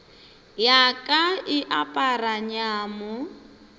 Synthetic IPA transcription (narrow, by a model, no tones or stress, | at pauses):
jakʼaɪʔapʼaraɲaːmʊ